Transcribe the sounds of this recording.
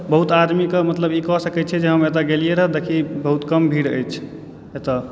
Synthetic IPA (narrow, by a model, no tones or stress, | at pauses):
bəɦut̪ad̪mikemət̪ləbikɔsəkɛt͡ʃʰɛd͡ʒeɦəmet̪̬aɡelijeɾəɦəd̪ekʰibəɦut̪kəmbʱiɽə̰jt͡ʃʰ | et̪a